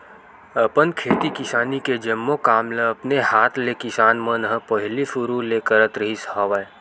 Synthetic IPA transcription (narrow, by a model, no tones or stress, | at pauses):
əpənkʰeːt̪ikɪsaːniked͡ʒəmːokaːmleɐpnehaːt̪ʰlekɪsaːnmənɦəpəɦɪlisuɾuleːkəɾət̪ɾəɦishaʋə